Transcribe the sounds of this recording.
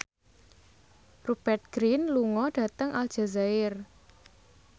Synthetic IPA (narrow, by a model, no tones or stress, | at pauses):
rub̥ɛrt̪̚ɡ̥ɾinluŋɔɖ̥ä̤t̪əŋʔalʒ̥a̤zaɪr